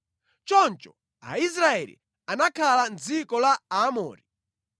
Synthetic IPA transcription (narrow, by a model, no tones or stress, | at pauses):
t͡ʃɔnt͡ʃɔ | a̰is̬ɾaɛlḭ | anakʰaland͡zikɔlaamɔ̰ːɾi